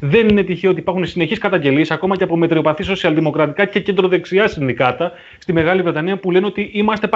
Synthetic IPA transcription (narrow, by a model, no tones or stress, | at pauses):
ðe̞ninet̪içeo̞t̪ipɐɾxunsine̞çiskɐt̪ɐɲɟe̞liesɐko̞mɐceɐpo̞me̞t̪ɾio̞pɐθiso̞siɐlðimo̞kɾɐt̪ikɐce̞ce̞nd̪ɾo̞ðe̞ksiɐsinðikɐt̪ɐ | st̪ime̞ɣɐlivɾe̞t̪ɐniɐpule̞neot̪iʔimɐst̪e̞p